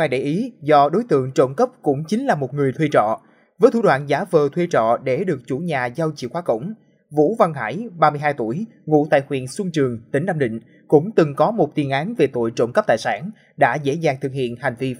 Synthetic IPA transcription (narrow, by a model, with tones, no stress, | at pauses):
ŋaː˧jɗe˧˩jʔi˨˦zɔ˧ɗo˨˦jt̪ɨ̰˧˨əŋt͡ɕo̰˧˨ŋ͡mkə˦˥p̚kʊ̰˧˥ŋ͡mt͡ɕï˨˦ŋ̟laː˨˩mo˨˩t̚ŋɨ˨˩əjt̪ʰwi˧t͡ɕɔ̰˧˨ | vəː˨˦jt̪ʰu˧˩ɗwaː˧˨nzaː˨˦vəː˨˩t̪ʰwi˧t͡ɕɔ̰˧˨ɗe˧˩ɗɨ˨˩ək̚t͡ɕu˧˩ɲaː˨˩za˧wt͡ɕḭ˧˨xwaː˨˦kə̰˧˩wŋ͡m | vṵ˧˥va˧ŋɦa̰ː˧˩jɓaː˧mɨ˧əjɦaː˧jt̪u˧˩əj | ŋṵ˧˥t̪a̰ː˧˨jxwḭ˧˨ənswu˧ŋt͡ɕɨ˨˩əŋt̪ï˨˦ŋɗa˧mɗḭ̈˧˨ŋ̟ | kʊ̰˧˥ŋ͡mt̪ɨ˨˩ŋkɔ˨˦mo˨˩t̚t̪i˨˩ənʔaː˨˦nve˨˩t̪o̰˧˨jt͡ɕo̰˧˨wŋ͡mkə˦˥p̚t̪a̰ː˧˨saː˧˩n | ɗa̰ː˧˥zḛ˧˥zaː˨˩ŋt̪ʰɨ˨˩k̚hḭ˧˨ənha˨˩jŋ̟vi˧